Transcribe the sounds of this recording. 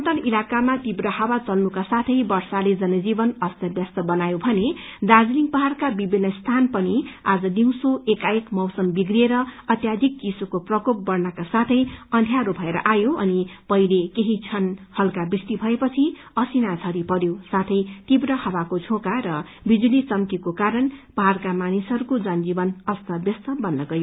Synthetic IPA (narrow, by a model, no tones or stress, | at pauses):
ʌnt̪ʌnilakamat̪ibrʌhʌwat͡sʌlnukasat̪ʰʌjbʌrsaled͡zʌnʌd͡zibʌnʌst̪jʌbjʌst̪ʌbʌnajobʱʌned̪ad͡zliŋpʌɦarkabibʱinːʌst̪ʰanpʌniad͡zʌdiw̃soekaekmʌwsʌmbiɡrieɾʌʌt̪jad̪ʱik̚t͡sisokoprʌkop̚bʌrnakasat̪ʰʌjʌnd̪ʱjaɾobʱʌeɾʌ̰ʔajoʌnipʌilekeɦit͡sʰʌnhʌlkabrist̪ibʱʌepʌt͡sʰi | ʌsinat͡sʰʌɾipʌɾjosat̪ʰʌjt̪ibrʌhʌbakod͡zʰʱokaɾʌ | bid͡zulit͡sʌmkikokaɾʌnpʌɦarkamanisʌɾukod͡zʌnd͡zibʌnʌst̪ʌbjʌst̪ʌbʌnːʌɡʌjo